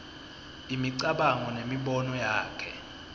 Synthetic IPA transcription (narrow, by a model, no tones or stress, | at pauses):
imiǀaɓaŋɔnemiɓɔnɔjaːkʰɛ